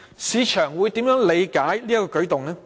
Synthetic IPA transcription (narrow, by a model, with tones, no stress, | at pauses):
siː˨˧t͡ʃʰœː˨˩ŋwuː˨˧jt̪iː˨˥mjœː˨˥ŋle˨˧jkaː˨˥jliː˥jɐ˥kɔː˧kɵ˨˥ɥt̪ʊ˨ŋnɛː˥